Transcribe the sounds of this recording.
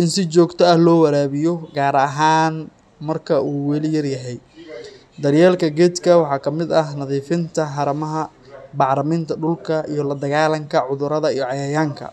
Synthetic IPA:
ʔɪnsɪt͡ʃɔːɡt̪ʰɐɐhlɔːwɐɾaːβɪjɔɡaːɾɐɦaːn | mɐrkʰɐuːwɛlɪjɐrjɐɦɛj | d̪ɐrjaːlkʰɐɡɛːd̪kʰɐwɑħɑːkʰɐmɪd̪ɐɦnɐðiːfɪnt̪ʰɐħɑɾɐmɐɦɐ | bɑʕɾɐmɪnt̪ʰɐɖʊlkʰɐʔijɞlɐd̪ɐɣaːlɐŋkʰɐʕʊðʊɾɐðɐijɔʕɑjaːjaːŋkʰɐ̰

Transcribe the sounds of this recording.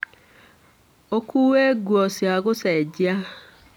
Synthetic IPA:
okʰuːweɡwɔsjaɣosɛd͡ʑia

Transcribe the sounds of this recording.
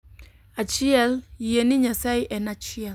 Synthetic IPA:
at͡ʃiɛljenɪɲasaɪʔɛnat͡ʃɪɛl

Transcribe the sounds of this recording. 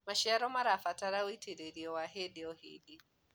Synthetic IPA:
maʃɛaɾɔmaɾafataɾawitʰeɾeɾiɔwaɦɛdiɔhḭdi

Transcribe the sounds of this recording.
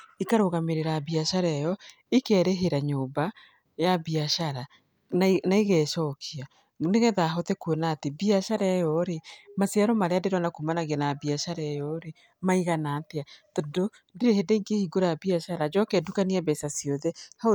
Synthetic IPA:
ikaɾoɣameɾeɾabiaʃaɾɛjɔ | ikɛɾeɦeɾaɲoːmba | jabiaʃaɾa | naiɣɛːʃɔːkʰia | neɣɛðaɦɔtɛkuenaːtebiaʃaɾɛjɔɾemaseaɾɔmaɾeadeɾɔnakumanaɣianabiaʃaɾɛjɔɾe | maiɣanaːteatodo | diɾehedeiŋɡehiɡoɾaabiaʃaɾad͡ʒɔkɛdukaniaβɛsasijɔðɛha

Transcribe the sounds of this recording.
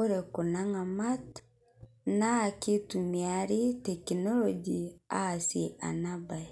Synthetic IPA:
oɾekunaŋamat | nakitumiaɾitɛkinɔlɔd͡ʒiasia̰nabai

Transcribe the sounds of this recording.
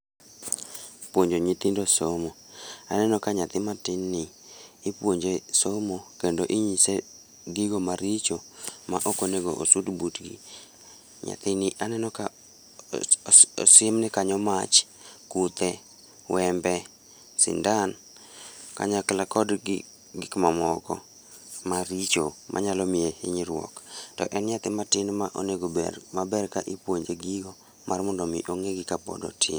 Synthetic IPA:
pwoɲd͡ʒoɲit̪indosomoanɛnɔkaɲat̪ɪmatɪnːɪː | pwoɲd͡ʒesomokendoʔiɲise | ɡɪɡomaɾit͡ʃomaʔokoneɡoʔo̰sudbutɡḭ | ɲa̰t̪ɪnɪʔanɛnɔka | sɪmnɪkaɲɔmat͡ʃ | kut̪ɛ | wɛmbɛ | sɪ̰ndan | ka̰ɲaklakɔd | ɡɪkmamɔkɔ̰ | maɾit͡ʃomʔa̰ɲalɔmɪeɪɲiɾwɔ̰ktɔ̰ʔɛnɲat̪ɪmatɪnmaʔo̰neɡobɛ̰mabɛrkaʔipwoɲd͡ʒeɡiɡɔ | mʔarmɔndɔmḭʔoŋeɡɪkapɔ̰dɔ̰tʰɪn

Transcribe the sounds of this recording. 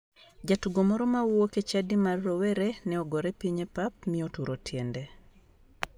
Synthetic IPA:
d͡ʒatuɡomɔɾɔmawwoket͡ʃadimarːowɛɾɛnɛɔɡɔɾɛpiɲepap̚mɪotuɾotjende

